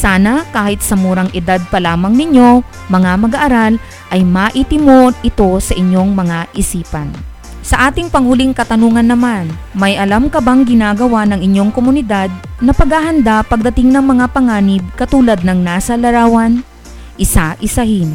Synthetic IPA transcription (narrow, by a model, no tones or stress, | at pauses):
saːnɐkaːhɪt̪̚sɐmuɾɐŋʔɛd̪ad̪̚pɐlaːmɐŋnɪɲjo̞ | mɐŋamɐɡaʔːɾal | ʔɐjmaːʔit̪ɪmonɪt̪o̞sɐʔɪɲːo̞ŋmɐŋaʔɪsiːpɐn | sɐʔaːt̪ɪŋpɐŋhʊliŋkɐt̪ɐnuːŋɐnːɐmanmɐjʔɐlamkɐbaŋɡɪnaːɡɐwanɐŋɪɲjo̞ŋkomʊnɪd̪ad̪̚nɐpɐɡhahɐnd̪apɐɡ̚d̪ɐt̪ɪŋnɐŋmɐŋapɐŋaːnɪb̚kɐt̪uːlɐd̪̚nɐŋnaːsɐlɐɾaːwɐn | ʔɪsaʔɪsɐhin